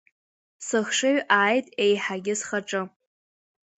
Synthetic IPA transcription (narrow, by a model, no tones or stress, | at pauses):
sɨχʂɨɥʔaːjtʼejħaɡʲɪsχaʈ͡ʂʼɨ